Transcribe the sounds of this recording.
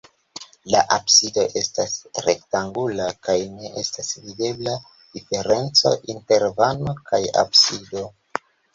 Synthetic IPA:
laʔabsido̞ʔe̞stasɾe̞ktaŋɡulakajne̞ʔe̞stasvide̞bla | d̥ife̞ɾe̞nt͡so̞̰ʔinte̞ɾvano̞kʰaja̰bsido̞

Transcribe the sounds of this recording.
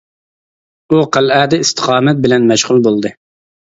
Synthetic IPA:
uqʰælæːd̪ɪist̪ʰə̥qʰɑːmɛt̪̚bɪlɛnmɛʃʁʊlˠbolˠd̪ɨ

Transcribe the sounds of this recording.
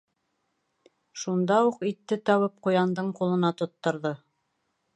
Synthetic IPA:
ʃund̪ɑuqit̪ːɘt̪ɒwɤp̚qujɑnd̪ɤɴqulˠɤ̆nɑt̪ŏt̪ːŏɾðɤ

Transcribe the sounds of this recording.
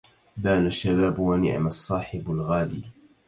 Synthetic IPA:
baːlaʃːabaːbwanɪ̰ʕ̰masˤːɑːħɪbalɣaːd̪ḭː

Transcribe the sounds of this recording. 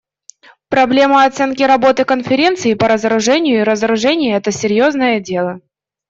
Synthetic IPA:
pɾɐblʲe̞məɐt̪sɛnkʲɪɾɐbo̞t̪ɨkənfʲɪɾʲe̞nt̪sɨɪpəɾəzəɾʊʐɛnʲɪjʊiɾəzəɾʊʐɛnʲɪjəɛt̪əsʲɪɾʲjoznəjədʲe̞lˠə

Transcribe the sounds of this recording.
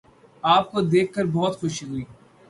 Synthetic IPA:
aːp̚kod̪eːkʰːəɾbɔːt̪xʊʃiɦʊiː

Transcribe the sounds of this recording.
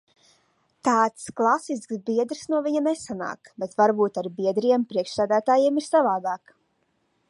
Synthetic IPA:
t̪aːt̪sklˠasisksbiɛd̪ɾsnuɔviɲanesana̰ːkbet̪vaɾbuːt̪aɾbiɛd̪ɾijɛmpɾiɛkʃsæːd̪æːt̪aːjiɛmiɾsavaːd̪aːk

